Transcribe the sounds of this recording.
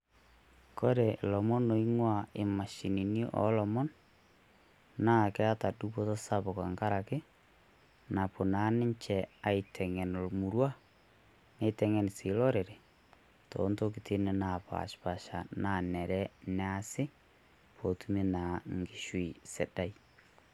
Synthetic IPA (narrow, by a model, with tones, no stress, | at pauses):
ko˦ɾe˨lɔ˨mɔ˦no˨i˦ŋwa˦˨ɪ˨ma˨ʃi˨ni˨ni˦ʔɔ̰˨˦lɔ˨mɔ˦n | naː˦kɛ˦a˦ta˨du˦bo˦tɔ˦sa˦bo˨ka̰˨ŋɡa˦ɾa˨kɪ˦ | na˨po˨naː˨˦nɪ˦ɲt͡ʃɛ˨a˨i˨tʰɛ˨ŋɛ˨nlmu˨ɾwa˦ | ne˦tɛ˦ŋɛ˨nsi˨lɔ˦ɾe˨ɾe˨ | to̰˨˦nto˦k̬itʰe˦ne˦na˨pa̰˨ʃpa˨ʃa˨na˨nɛ˨ɾɛ˦ne˦a˦sɪ˦ | pʰo˨tu˦me˦na˨ŋɡi˦ʃwi˨se˨da˦i˨